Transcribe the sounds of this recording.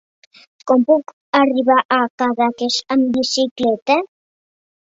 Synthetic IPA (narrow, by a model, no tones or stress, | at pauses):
kompuk | ariβaʔakaðakeʃambisiklet̪e